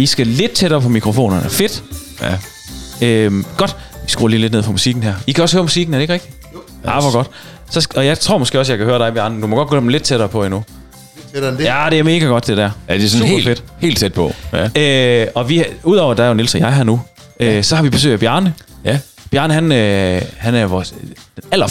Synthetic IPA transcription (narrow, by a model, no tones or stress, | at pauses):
isɡ̥æle̝d̥̚t͡sʰeɾ̥ɐːpʰɒ̽mikʰʁofo̝̰ːnɐnfe̝d̥ | ømɡ̥ɒ̽d̥isɡ̥ṵːɐliːle̝d̥neð̰ˠpʰɒ̽musiɡ̥n̩ɦæɐ̰ikʰæɒ̽shøːɐmusiɡ̥n̩æɐɾeɡ̥ʁeɡ̥d̥i | ʔɑʋɒɡɒ̽d̥ | sɒ̽sɒ̽jɑ̈ɪt͡sʰʁo̝ɐmɒsɡ̥ḛːɒ̽sjɑ̈ɪkʰæhøːɐɾɑɪb̥jæɐnədumɒɡ̥ɒ̽d̥̚ɡɒøɐ̥m̩le̝d̥̚t͡sʰeɾ̥ɐːpʰɒ̽inu | jæd̥e̝æɐme̝ːɡ̥æɡ̥ɒ̽d̥d̥e̝ɾ̥æɐ̰d̥esɒnefed̥he̝̰ːld̥t͡sʰed̥̚pʰɒ̽øɒ̽ʋiuð̞̰ˠɒʊɐd̥ɑ̈æɐjonilsɐjɑ̈ɪɦæɐ̰nu | øsɒ̽hɑ̈ʋib̥e̝sø̰ɪdæb̥jæɐnə | b̥jæɐnəhænøhænæɐʋɒ̥ | æl̰ɐ